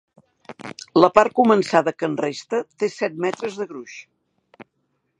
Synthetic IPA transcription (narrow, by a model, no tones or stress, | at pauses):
ləpaɾ̚kumənsaðəkənrest̪ət̪esɛt̪̚mɛt̪ɾəzðəɣɾuʃ